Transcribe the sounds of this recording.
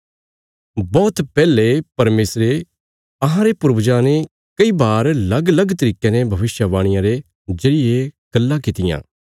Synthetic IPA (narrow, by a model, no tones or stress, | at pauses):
bɔːt̪pɛːlepɐɾmeːsɾe | ɐɦãɾepʊɾbd͡ʒãːne | kɐibaːɾlɐɡlɐɡt̪ɐɾiːkenebʱɐʋɪʃjəʋaːɽ̃ɪjãɾe | d͡ʒɐɽɪjeɡ̥ɐlːãkɪt̪ɪjã̰ː